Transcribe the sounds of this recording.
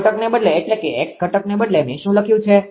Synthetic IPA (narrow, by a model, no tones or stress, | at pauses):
ʈəknebəd̪leːʈlekeʔekkːəʈəknebəd̪lemḛʃũləkʰjũt͡ʃʰe